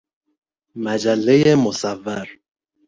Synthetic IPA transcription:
mæd͡ʒælːejemosævːæɾ

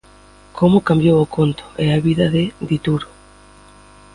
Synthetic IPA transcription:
kʰomʊkambjowokʰont̪o̥eaβiðaðɪd̪it̪uɾo

